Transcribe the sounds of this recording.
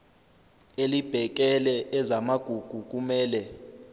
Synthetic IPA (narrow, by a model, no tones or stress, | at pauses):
elib̥ʱɛk̬ɛlɛʔɛzamaɡ̥ʱuɡ̥ʱuk̬ʼumɛːlɛ